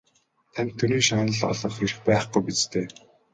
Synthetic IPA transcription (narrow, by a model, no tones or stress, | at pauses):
t̪ʰæmʲt̪ʰːuniːʃaːnə̆ɮɔ̰ɮɞ̆χeɾɘ̆xpæːχɡujpit͡st̪ʰeː